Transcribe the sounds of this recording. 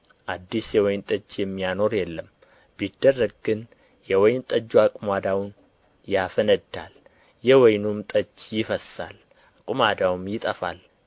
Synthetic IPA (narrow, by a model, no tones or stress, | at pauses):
ʔad̪ːisjɛwɔjnt̪ʼəd͡ʒːjɛmːijano̞ɾjɛlːəm | bid̪ːərːəɡ̚ɡɨn | jɛwɔjnt̪ʼəd͡ʒːuakʼumad̪awn | jafənəd̪ːa̰l | jɛwɔjnumt̪ʼət͡ʃːjɪfəsa̰l | kʼumad̪awmjɪt̪ʼəfa̰l